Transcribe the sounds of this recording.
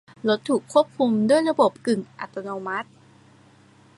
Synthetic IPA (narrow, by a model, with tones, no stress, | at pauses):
lo˦˥t̪ʰːuː˨˩kʰːu˥˩əp̚kʰu˧mdu˥˩əjɾa˧bo˨˩p̚kɯ˨˩ŋʔa̰˨˩t̪ːa˧noː˧ma˦˥t̪̚